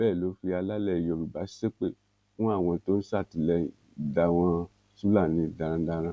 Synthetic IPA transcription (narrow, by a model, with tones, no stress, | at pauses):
bɛː˦˨lo˨˦fi˧a˧la˦lɛ˦˨jɔ˧ɾu˨ba˨˦se˦k͡pe˦˨ | fũ˦a˦˨w̃ɔ̃˧to˦ñ̩˦sa˦˨ti˨lɛ˧˨ | da˧w̃ɔ̃˧ | su˦la˦˨nĩ˨˦da˨ɾã˧da˧ɾ̃ã˧